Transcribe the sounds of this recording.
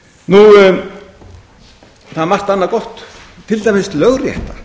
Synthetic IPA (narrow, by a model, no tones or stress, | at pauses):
nu | θaðmar̥t̪anːakɔht̪ | t̪ʰːɪlt̪amɪst̪lœɣrjɛ̰ht̪a